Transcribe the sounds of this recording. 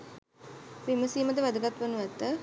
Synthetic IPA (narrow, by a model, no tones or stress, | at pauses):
ʋiməsiːməd̪əʋæd̪əɡat̪ʋɐnuʋæt̪ːə